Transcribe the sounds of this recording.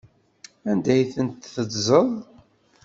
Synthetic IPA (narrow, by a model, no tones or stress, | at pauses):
ænd̪æjθənt̪θəd̪zˤəðˤ